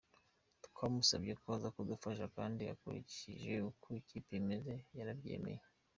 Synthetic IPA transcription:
tu̥kʰamusabɟekazakudufaʃakaːndia̰kṵɾḭcḭʒe̞ukʰoiciːpemezejaɾabje̞̰ːme̞̰je

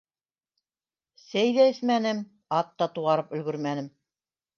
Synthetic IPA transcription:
sæjðæɘ̆θmænɘm | ɑt̪ːɑt̪uʁɑɾɤpɵ̆lɡɵɾmænɘm

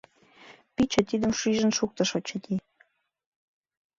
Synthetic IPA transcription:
pit͡ɕə̆t̪id̪ə̆mʃyʒə̆nʃuk̚t̪ɤ̆ʃot͡ɕə̆t̪ʲi

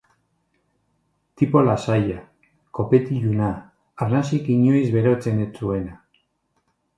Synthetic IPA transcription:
t̪ipo̞lasaja | ko̞pet̪iʝunaː | rnasikiɲojzβe̞ɾo̞t͡se̞net͡sue̞na

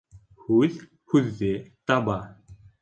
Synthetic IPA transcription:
xuð | xuðːeːt̪aba

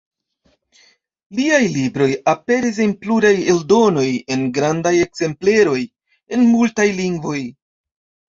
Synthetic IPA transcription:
liajlibɾo̞jape̞ɾis̬inpluɾajeldo̞no̞je̞nɡɾandaje̞kze̞mple̞ɾo̞j | e̞nmultajliŋɡvo̞j

